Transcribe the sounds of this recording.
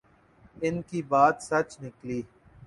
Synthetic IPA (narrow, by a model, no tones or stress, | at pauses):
ɪnkiːbaːt̪sɐt͡ʃnɪkliː